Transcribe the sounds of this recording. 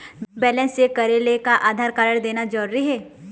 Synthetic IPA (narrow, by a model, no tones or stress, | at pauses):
bɛːlɛ̃nsekɐɾelekaʔaːd̪ʱaːɾkaɾəɽ̃d̪eːnad͡ʒɐɾuɾiɦɛː